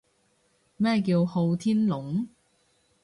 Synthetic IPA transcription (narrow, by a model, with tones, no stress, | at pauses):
mɛː˥k̬iː˧who˧wt̪ʰiː˥nlʊ˨˥ŋ